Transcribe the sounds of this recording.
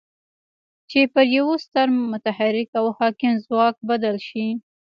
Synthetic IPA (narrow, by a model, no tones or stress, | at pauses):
t͡ʃepəɾjawost̪aɾmʊt̪ahaɾɪkawhɑkɪmzwɑk̚bad̪alʃi